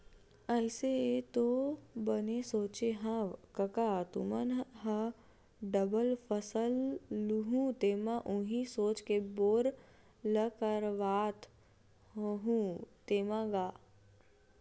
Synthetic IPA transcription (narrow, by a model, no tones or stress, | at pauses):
ɐlset̪obənesoːt͡ʃeɦãʋkəkat̪ṵmənɦə̃ | ɖəbəlfʰəsəlːuɦũt̪eːmãʔũɦisoːt͡ʃkeboːɾ | ləkəɾʋaːt̪ | ɦɦũt̪eːmãɡaː